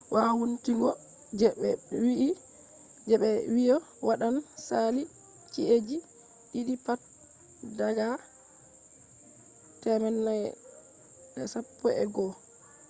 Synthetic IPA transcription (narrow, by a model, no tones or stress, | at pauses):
wawuntiŋɡɔ | d͡ʒɛɓɛwii | d͡ʒɛɓɛwijɔ | waɗansali | t͡ʃiʔed͡ʒi | ɗiɗipat̚ | daɡa | tɛmɛnːaj | ɛsapːɔɛ̰ɡɔ